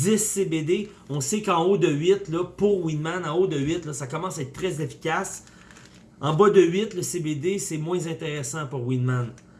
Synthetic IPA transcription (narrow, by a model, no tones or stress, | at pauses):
ɪsːebed̪e | ɔ̃sekɑ̃od̪əɥɪt̪lʌpuʁwinmanɑ̃od̪əɥɪt̪lɔsakɔmɑ̃saɛt̪t̪ːʁɛzefi̥kʲas | ɑ̃bɔd̪əɥɪt̪ləsebed̪esɛmwɛ̃zɛ̃t̪eʁɛsɑ̃puʁwinman